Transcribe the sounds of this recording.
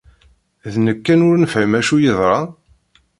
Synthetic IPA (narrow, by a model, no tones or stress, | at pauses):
ðnəkːænʊɾnəfʕəmæʃujəðˤɾˤɑ